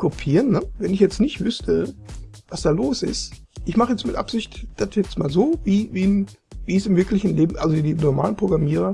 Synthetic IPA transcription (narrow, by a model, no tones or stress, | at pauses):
kʰopʰiːʁənːəvɛnɪçjɛt͡stnɪçtv̥ʏstʰəvasd̥aːloːsɪ̰st | ʔɪçmaχəjɛt͡stmɪtʔa̰pz̥ɪçtd̥atjɛt͡stmaːlzoːviːviːn | viːsɪmvɪɐklɪçn̩leːbm̩ʔalzodiːnɔɐma̰ːlənpʁ̥oɡʁamiːʁ̞ɐ